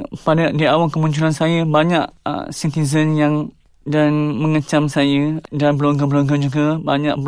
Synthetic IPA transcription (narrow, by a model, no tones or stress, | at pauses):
padaʔdiawaŋkəmuɲt͡ʃulansajəbaɲaʔsint̪izənjaŋ | danməŋət͡ʃamsajədanbəloŋɡəbəloŋɡəd͡ʒuɡəbaɲa̰ʔ